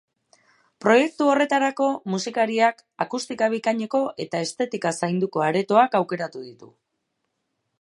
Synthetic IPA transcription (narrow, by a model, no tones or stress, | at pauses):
pɾo̞je̞k̚t̪uo̞re̞t̪aɾako̞musikaɾiak | akust̪ikaβ̞ikaɲe̞ko̞ʔe̞t̪ae̞st̪e̞t̪ikasajnd̪uko̞aɾe̞t̪o̞akawke̞ɾat̪uðit̪ṵ